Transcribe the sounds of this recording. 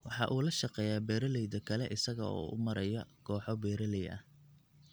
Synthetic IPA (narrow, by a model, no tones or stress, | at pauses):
wɑħɑʔuːlɐʃɑqɛːjaːbɛːɾɐlɛjd̪ɐkʰɐlɛʔɪsɐɣɐɔ̰ːʔʊ̰mɐɾɐjɐɡʰɔːħɔbɛːɾɐlɛjʔɐ̰h